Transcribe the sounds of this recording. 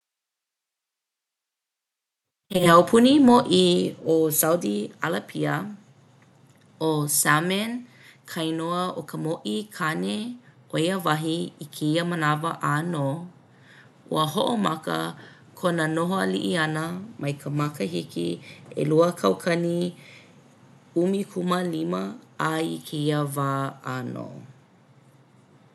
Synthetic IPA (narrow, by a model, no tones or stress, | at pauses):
heawpʰunimoʔiosawdialapʰiə | osamɛn | kʰɐjnoəʔokʰəmoʔikʰane | oiəvɐɦiikʰeiəmənavəʔano | ṵəɦoʔomakə̰ | kʰonənoɦoaliʔiɐnəmʔɐjkʰəmakəɦikḭḛluəkʰɐwkʰɐni | umikʰuməliməaḭkʰeiəvaːano̰